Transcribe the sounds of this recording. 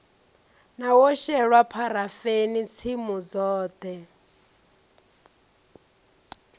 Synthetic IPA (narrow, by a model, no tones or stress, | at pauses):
nawɔʃɛɺwapʰaɾafenit͡sʰimud͡zɔːt̪ɛ